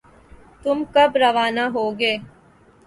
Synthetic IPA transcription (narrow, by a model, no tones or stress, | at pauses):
t̪ʊmkɐbɾɐʋaːnaɦoːɡeː